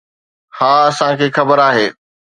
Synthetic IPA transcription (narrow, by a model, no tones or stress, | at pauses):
hãːɐsãkʰeːxɐbəɾaːɦeː